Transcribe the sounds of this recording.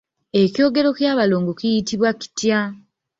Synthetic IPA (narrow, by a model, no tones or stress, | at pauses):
e̞cjo̞ːɡe̞ɾo̞kjaːβaloːŋɡokijitiβwaki̥tja